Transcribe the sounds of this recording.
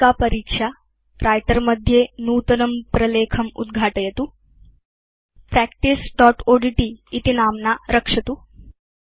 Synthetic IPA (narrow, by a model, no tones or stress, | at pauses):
apəɾiːkʂa | ɾʔajʈəɾməd̪ʱːjenuːt̪ənəmpɾəlekʰəmṵd̪ɡʱaʈəjet̪uː | pɾɛkʈisʈɔʈoɖiʈiːt̪inamnaɾəkʂɐt̪uː